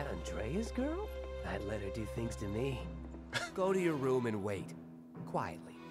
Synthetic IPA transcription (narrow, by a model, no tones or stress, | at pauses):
ɨɾɨ̰̃ndɹeɪɨzɡɜ˞lˠðɨtˡlɛɾə˞dɨθɪ̃ŋz̥tʰɨmi | ɡ̥oʊɾɨjə˞ɹũmɨ̃nweɪt | kʰw̥aɪɨ̰tˡli